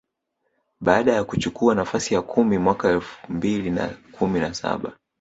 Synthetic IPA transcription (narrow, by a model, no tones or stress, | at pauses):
ɓaːɗajakut͡ʃukuanafasijakʰumimwakaɛlfumbilina̰kʰuminasa̰ɓa̰